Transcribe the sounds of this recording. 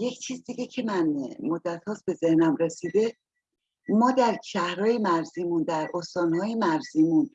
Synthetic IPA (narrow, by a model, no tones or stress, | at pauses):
je̞cʰt͡ʃʰiːzd̪iɡecʰe̞mænmod̪ːæt̪ʰhɒːsbe̞ze̞hnæmɾe̞siːd̪e̞ | mɒːd̪æɾʃʰæhɾɒːje̞mæɾziːmund̪æɾʔost̪ɒːnhɒːjemæɾziːmun